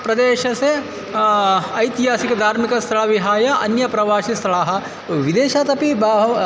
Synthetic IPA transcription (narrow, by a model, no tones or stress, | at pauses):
pɾɐd̪eːʃɐse | ɐjt̪iɦaːsikɐd̪ʱaːɾmikɐst̪ʰɐɭɐʋiɦaːjɐʔɐnjɐpɾɐʋaːʃist̪ʰɐɭaːɦɐ̆ | ʋid̪eːʃaːt̪ɐpibɦ